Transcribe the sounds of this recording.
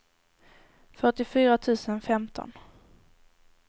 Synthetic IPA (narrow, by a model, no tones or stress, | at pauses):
fœʈɪfyːɾat̪ʰʉ̟ːsənfɛmt̪ʰɔ̰n